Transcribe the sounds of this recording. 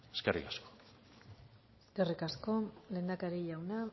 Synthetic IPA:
eskerḭkasko̥ | serikasko̞le̞ːnd̪akaɾiʎawna

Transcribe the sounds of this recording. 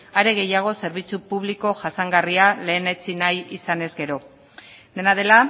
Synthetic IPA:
aɾe̞ɣe̞jaɣ̞o̞se̞ɾβ̞it͡supuβliko̞ʝasaŋɡariale̞ːnet͡sinajisane̞zɡe̞ɾo̞ | d̪e̞naðe̞la

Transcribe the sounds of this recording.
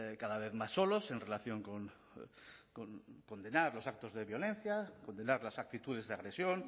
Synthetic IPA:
kaðaβ̞eθmasːolose̞nrelaθjo̞ŋkon | koŋko̞nd̪enaɾlo̞sak̚t̪ozðeβjo̞len̟θjakond̪enaɾlasak̚t̪it̪uð̞e̞zðeaɣɾesjoŋ

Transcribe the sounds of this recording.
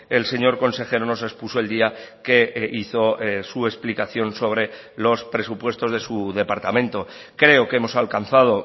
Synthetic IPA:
e̞lse̞ɲo̞ɾko̞nse̞xe̞ɾono̞se̞kspusoeld̪iake̞iθo̞sue̞splikaθjo̞nso̞β̞ɾe̞ | lo̞spɾe̞supwe̞st̪o̞zðe̞suðe̞paɾt̪amẽ̞nt̪o̞ | kɾe̞o̞ke̞mo̞salkan̟θað̞o̞

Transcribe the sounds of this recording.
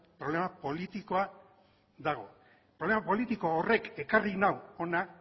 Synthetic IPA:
pɾo̞le̞mapo̞lit̪iko̞a | ðaɣ̞o̞̰ | pɾo̞βle̞mapo̞lit̪iko̞ore̞ke̞karinawo̞na

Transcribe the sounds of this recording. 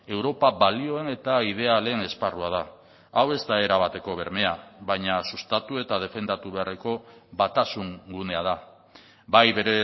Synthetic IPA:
e̞wɾo̞paβalio̞e̞ne̞t̪aið̞e̞ale̞ne̞sparuað̞a | awe̞zt̪ae̞ɾaβ̞at̪e̞ko̞β̞e̞ɾme̞aβaɲasust̪at̪ue̞t̪að̞e̞fe̞nd̪at̪uβe̞areko̞βat̪asuŋɡune̞að̞a | bajβe̞ɾe

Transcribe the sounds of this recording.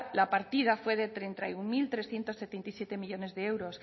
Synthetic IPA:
lapaɾt̪ið̞afwe̞ð̞e̞t̪ɾe̞nt̪ajuŋmilt̪ɾe̞sθje̞nt̪o̞sːe̞t̪e̞nt̪aisje̞t̪e̞miʎo̞ne̞zðee̞wɾo̞s

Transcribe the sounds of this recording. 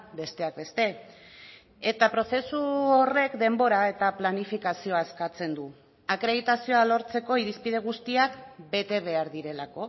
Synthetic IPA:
be̞st̪e̞ak̚be̞st̪e̞ | et̪apɾo̞se̞suore̞kd̪e̞mbo̞ɾae̞t̪aplanifikasio̞ae̞skat͡se̞nd̪u | akɾe̞ð̞it̪asio̞alo̞ɾt͡se̞ko̞iɾispið̞e̞ɣ̞ust̪iakbe̞t̪e̞β̞e̞aɾðiɾe̞lako̞

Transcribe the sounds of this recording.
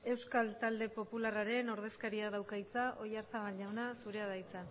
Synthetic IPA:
e̞wskalt̪ald̪e̞po̞pularaɾe̞no̞ɾð̞e̞skaɾiaðawkajt͡saʔo̞jaɾθaβalʎawnasuɾe̞aðajt͡sa

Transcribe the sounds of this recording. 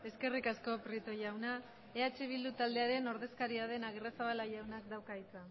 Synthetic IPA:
e̞ske̞rikasko̞pɾit̪o̞jawna | e̞at͡ʃeβ̞ild̪ut̪ald̪e̞aɾe̞no̞ɾðe̞skaɾiað̞e̞naɣerasaβalajawnakd̪awkait͡sa

